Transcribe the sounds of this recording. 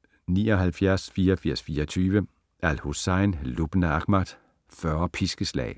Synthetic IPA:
niːɒ̽ɦælfjæɐ̰sfiːɐɒfiɐsfiːɐɒt͡sʰyːʋə | ælhosɑɪnlub̥nɑɡ̥mæd̥ | fɶɐpʰisɡ̥əslɛ̰ɪ

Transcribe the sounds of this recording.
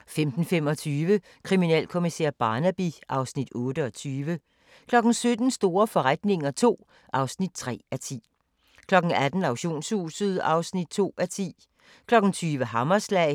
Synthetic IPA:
femd̥n̩fem̰ɒ̽t͡sʰyːʋə | kʰʁiminɛ̰l̰kʰo̝misḛɐ̰b̥ɑ̈ːnæb̥iʔɑ̈ʊsnid̥ɔːdəɒ̽t͡sʰyːʋə | kʰlɒ̽ɡ̥n̩sød̥n̩sd̥o̝ːɐfɒ̽ʁad̥ne̝ŋɐt͡sʰo̝̰ː | ʔɑ̈ʊsnid̥̚t͡sʰʁɛ̰ːæt͡sʰḭː | kʰlɒ̽ɡ̥n̩æd̥n̩ɑ̈ʊɕo̝̰ːnshṵːsð̞̩ˠɑ̈ʊsnid̥̚t͡sʰo̝̰ːæt͡sʰḭː | kʰlɒ̽ɡ̥n̩t͡sʰyːʋəɦɑ̈mɐslɛɪ

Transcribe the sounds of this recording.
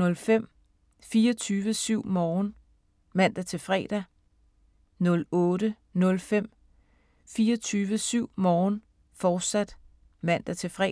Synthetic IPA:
ɔ̽lfem̰ | fiːɐt͡sʰyːʋəsyʊ̰mɒːn | mæn̰d̥ɐt͡sʰe̝fʁɛ̰ːd̥æ | nɔ̽lɔ̽ːɾə | nɔ̽lfem̰ | fiːɐt͡sʰyːʋəsyʊ̰mɒːn | fɒːd̥sæd̥ | mæn̰d̥æt͡sʰe̝fʁɛ

